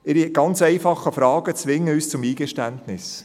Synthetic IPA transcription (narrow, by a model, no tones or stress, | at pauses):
ɪɾiɡ̥ɑnt͡sɛɪfɑχəfɾɑːɡ̥ət͡sʋɪŋːəyːst͡sʊmiːɡɛʃtæntnɪs